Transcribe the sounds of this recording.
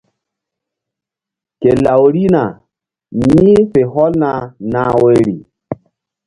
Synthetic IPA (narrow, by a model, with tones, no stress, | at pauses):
ke˨la˨wɾi˦na˨ | mi˦fe˨ɦɔ˦lna˨na˨we˨ɾi˨